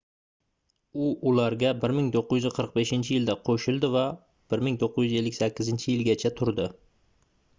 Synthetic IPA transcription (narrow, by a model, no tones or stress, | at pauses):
ʊʊlaɾɡʲabɪɾmɪŋt̪ʰoqːɨjyzɪqʰəɾq̚beʃɪnt͡ʃʰɪjɪld̪aqʰoʃɪlˠd̪ɪva | b̥ɪɾmɪŋt̪ʰoqʰːɨzjyze̞lːɪkʲsakʲʰːɪzɪnt͡ʃʰɪjɪlɡʲat͡ʃʰat̪ʰʊɾd̪ɪ